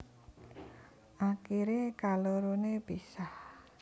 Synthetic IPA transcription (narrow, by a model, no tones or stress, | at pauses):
ʔakiɾekaloɾunepisah